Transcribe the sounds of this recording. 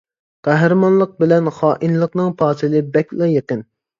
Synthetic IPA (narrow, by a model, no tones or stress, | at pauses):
qæɦɾɨmɑnlˠəq̚bɪlɛnχɑːʔinlˠəqnɨŋpʰɑːsɨlˠɨbɛkʲlɛjeqən